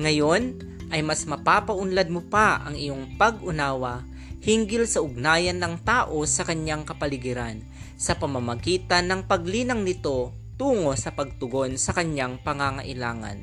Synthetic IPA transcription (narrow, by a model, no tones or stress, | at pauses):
ŋɐjo̞n | ʔɐjmasmɐpaːpɐʔʊnlad̪̚mopaʔɐ̰ŋɪjo̞ŋpɐɡʔʊnaːwɐ | hiŋɡɪlsɐʊɡ̚naːjɐnːɐŋt̪aːʔo̞sɐkɐɲaŋkɐpɐlɪɡɪɾan | sɐpɐmɐmɐɡiːt̪ɐnːɐŋpɐɡ̚liːnɐŋnɪt̪o̞ | t̪uːŋo̞sɐpɐɡ̚t̪ʊɡo̞nsɐkɐɲjaŋpɐŋaŋɐʔɪlaːŋɐ̰n